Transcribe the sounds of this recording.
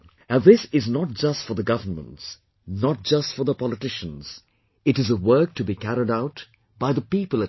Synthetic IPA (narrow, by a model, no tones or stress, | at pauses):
ɨ̃ðɪsɪznət̚d͡ʒ̥ʌstfə˞ðəɡʌvənmə̰̃nts | nət̚d͡ʒ̥ʌstfə˞ðəpʰɑlˠɨtɪʃə̃nz̥ | ɨɾɨzəwɜ˞k̚tʰɨbikʰæɾɪɾaʊt | b̥aɪðəpipəlˠɨ